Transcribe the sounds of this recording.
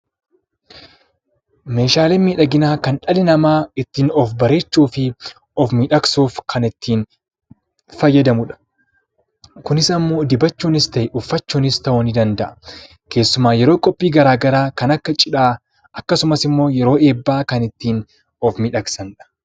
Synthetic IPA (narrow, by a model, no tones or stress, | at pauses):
me̞ːʃaːleːmiːᶑɐɡɪnaːkɐnᶑɐlɪnɐmaːɪt̪ːiːnɔfbɐɾe̞ːt͡ʃːuːfɪ | ɔfmiᶑɐksuːfkʰɐnɪt̪ːiːn | fɐjːɐd̪ɐmʊᶑɐ̥ | kʊnɪsɐmːo̞ːd̪ɪbɐt͡ʃːuːnɪst̪ɐjɪʔʊfːɐt͡ʃːuːnɪst̪ɐʔʊnɪd̪ɐnd̪ɐʔɐ̥ | kʰe̞ːsːʊmaːjɛɾo̞ːkʼɔpʼːiːɡɐɾaːɡɐɾaːkɐnɐkːɐt͡ʃʼɪᶑaː | ɐkːɐsʊmɐsɪmːo̞ːjɛɾo̞ːe̞ːbːaːkɐnɪt̪ːiːn | ɔfmɪᶑɐksɐnᶑɐ̥